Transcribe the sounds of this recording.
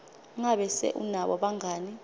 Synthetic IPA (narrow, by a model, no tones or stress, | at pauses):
ŋaɓɛsɛ̰ʔunaɓɔɓaŋʱaːni